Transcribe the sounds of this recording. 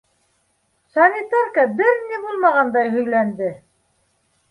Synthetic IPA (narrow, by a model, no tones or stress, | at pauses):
sɑnʲit̪arkɑbɘɾnibulˠmɑʁɑnd̪ɑjɦɵ̆jlænd̪ɘ